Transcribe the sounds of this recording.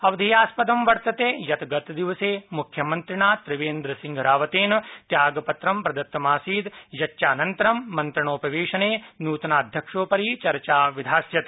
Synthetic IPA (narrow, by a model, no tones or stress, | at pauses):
ɐʋɐd̪ʱijaːspɐd̪ɐmʋɐɾt̪ɐt̪eːjɐt̪ɐɡɐt̪d̪iʋɐseːmukʰjɐmɐnt̪ɾiɳaːt̪ɾɪʋeːnd̪ɾɐsiŋɡʱɐɾaːʋɐt̪eːnɐt̪jaːɡɐpɐt̪ɾɐmpɾɐd̪ɐt̪ːɐmaːsiːd̪jɐt͡ʃːʃaːnɐnt̪ɐɾɐmːɐnt̪ɾɐɳoːpɐʋeːʂɐneːnuːt̪ɐnaːɐd̪ʱjɐkʂoːpɐɾit͡ʃɐɾt͡ʃaːʋid̪ʱaːsjɐt̪